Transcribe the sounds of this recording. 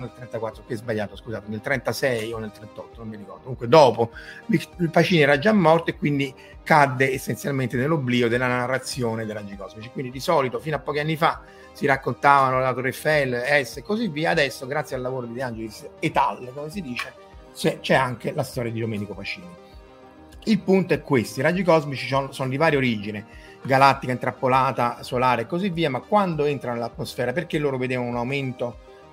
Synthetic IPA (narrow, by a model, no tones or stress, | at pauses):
nelt̪ɾɛnt̪akwat̪ːɾokɛzbaʎːaːt̪oskuzaːt̪enelt̪ɾɛnt̪asɛjonːelt̪ɾent̪ɔt̪ːononmːiɾikɔ̰rd̪ouŋkwed̪ɔːpolilpat͡ʃiːnɛːɾad͡ʒːamːɔrt̪oekːwind̪i | kad̪ːeesːensjalment̪enelːobliːod̪elːanarːat̪sːjoːned̪elːad͡ʒikɔzmit͡ʃi̥kwind̪id̪isɔːlit̪ofinoapːɔːkianːifa | siɾakːont̪aːvanolat̪orɛfːɛlːɛsːekːozivːiːaːd̪ɛsːoɡɾat̪sjalːavoːɾod̪id̪eand͡ʒelisːet̪alːkomes̬id̪iːt͡ʃe | set͡ʃɛaŋkelast̪ɔːɾjad̪id̪omɛːnikofat͡ʃːiːno | ilpunt̪oɛkːwest̪oiɾad͡ʒikɔzmit͡ʃisɔnsonod̪ivaːɾjeoɾiːd͡ʒine | ɡalat̪ːikaint̪ɾapːolaːt̪asolaːɾekːozivːiːamakːwand̪oent̪ɾanonelat̪ːmosfɛːɾaperk̟elːoːɾoved̪eːvanounawment̪o